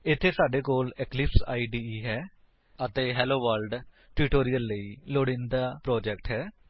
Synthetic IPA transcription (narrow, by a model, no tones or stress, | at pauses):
ɪt̪ʰːeːsaːɖeːkoːlɪklɪpsa̰ːiːɖiːɦɛː | ət̪eːɦɛːloːʋəːlɖ | ʈɪʈoːɾijəlːəiːloːɽɪ̃nd̪aːpɾɔːd͡ʒɛkʈɦɛː